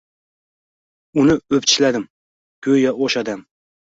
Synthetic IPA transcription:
ʊnɪɵpt͡ʃʰɪʃlad̪ɪm | kʲʰɵjjɒoʃɒd̪am

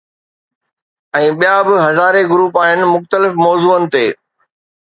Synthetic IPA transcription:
ɛ̃ːɓijabɪɦɐzaːɾeɡʊɾuːpaːɦɪnɪ̆mʊxt̪əlɪfmɔːzuːənɪ̆t̪eː

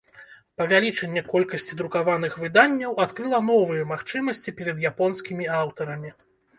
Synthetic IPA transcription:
pɐvʲalʲit͡ʂɛnʲːɛkɔlʲkɐsʲt͡sʲid̪ɾukavan̪ɨxvɨd̪anʲːɐwat̪kɾɨlˠɐn̪ɔvɨjɛmaxt͡ʂɨmɐsʲt͡sʲipʲɛɾɐd̪japɔnskʲimʲiawt̪ɐɾɐmʲi

